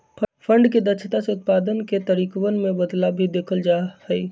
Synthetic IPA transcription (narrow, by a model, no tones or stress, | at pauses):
pʰə̃ɳɖked̪ət͡ʃʰət̪aseʊt̪̚paːd̪ənket̪əɾiːkwənmẽbəd̪labʱid̪eːkʰəld͡ʒahɛi